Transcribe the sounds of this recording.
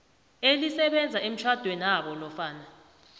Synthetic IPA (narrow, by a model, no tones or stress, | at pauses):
elisɛɓɛnd͡zʱaem̩t͡ʃʰwad̥ʱwenaɓɔlɔfaːna